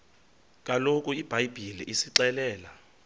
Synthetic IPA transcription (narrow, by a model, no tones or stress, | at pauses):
k̬ʼalokʼuib̥ʱajb̥ʱiliʔisiǀɛlɛːla